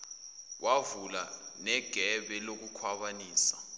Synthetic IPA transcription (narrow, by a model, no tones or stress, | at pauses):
wʔavulanɛɡ̥ʱɛɓɛlok̬ukʰwaɓaniːsḁ